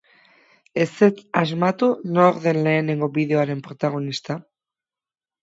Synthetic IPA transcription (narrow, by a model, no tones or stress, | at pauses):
eset̪azmat̪unooɾðe̞nleːneŋɡobiðeoaɾe̞mpɾot̪aɣ̞onist̪a